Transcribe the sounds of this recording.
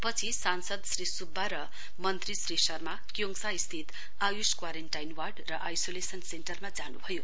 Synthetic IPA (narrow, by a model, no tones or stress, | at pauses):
pʌt͡sʰisansʌd̪srisubʱːaɾʌ | mʌnt̪risrisʌrmakjoŋsaist̪ʰit̪ | ajuskwaɾenʈajnwarɖrʌʔajsolesʌnsenʈʌrmad͡zanubʱʌjo